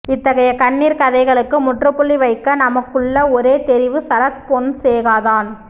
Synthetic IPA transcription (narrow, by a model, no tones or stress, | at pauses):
ɪt̪ːɐɣɐjɐkɐnːiːɾkɐðɐɪɣɐɭɯkːɯmʊʈrɯpːʊɭːiʋɐɪkːɐnɐmɐkːɯɭːɐɔɾeːt̪ɛɾɪʋɯsɐɾɐt̪ponseːɣaːðaːn